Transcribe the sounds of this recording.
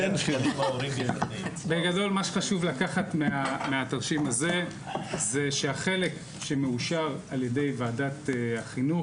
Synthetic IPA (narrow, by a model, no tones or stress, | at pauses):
enʃilanimaoʁimetnibeɡado̞lmaʃe̥χaʃuvlakaχatmeameataʁʃimaze̞ | zeʃeaχe̞le̞k | ʃemeuʃaʁaljede̞jvaːdateaχinu